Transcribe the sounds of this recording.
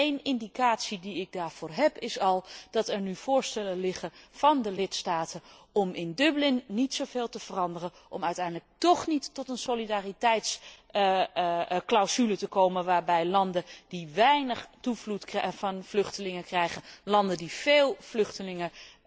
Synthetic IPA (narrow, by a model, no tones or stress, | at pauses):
ejnɪndikaːtsidiɪɡ̚daːɹv̥ʊːɹɦɛpɪsɑlˠd̥ɑtɛɹnyv̥ʊːɹstɛləlɪχəv̥ɑndəlɪtstaːtə | ɔmɪndɵblɪnːitsowveːlˠtəv̥ərɑndərə | ʔɔ̰mœɥtɛjndlək̚tɔχnitːɔtənsolidaːritɛjts | klawzylətəkowmənʋaːɹbɛjlɑndədiʋɛjnəχtuvlutkrɛvɑnv̥lɵχtəlɪŋəkrɛjχənlɑndəndiv̥eːlˠv̥lɵχtəlɪŋə